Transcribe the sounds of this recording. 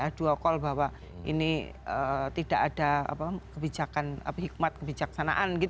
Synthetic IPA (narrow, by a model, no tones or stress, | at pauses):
aduaɔkɔlbawa | ḭni | ət̪id̥aʔad̥aa̰pakəbid͡ʒakana̰pəɦik̚mat̪̚kəbid͡ʒaksana̰ʔanɡit̪